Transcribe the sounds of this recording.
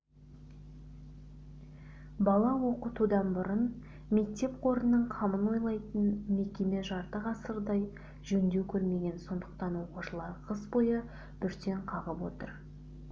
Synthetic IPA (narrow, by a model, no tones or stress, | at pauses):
bɑlˠɑwo̞qət̪ud̪ɑnbʊɾən | me̞k̚t̪e̞p̚qʰo̞ɾənːəɴqʰɑməno̞jlˠɑjt̪ənme̞kʲe̞me̞ʒɑɾt̪əʁɑsəɾd̪ɑj | ʒɵnd̪ewkʲʰɵɾme̞ɡʲe̞nso̞nd̪əq̚t̪ɑnwo̞quʃəlˠɑɾqʰəsbo̞jə | b̥ʏɾt̪e̞ɴqʰɑʁəpwo̞̰t̪əɾ